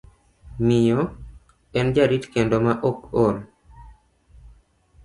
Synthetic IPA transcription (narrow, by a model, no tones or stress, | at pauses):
mɪjɔ | ɛnd͡ʒaɾitkendomaʔokol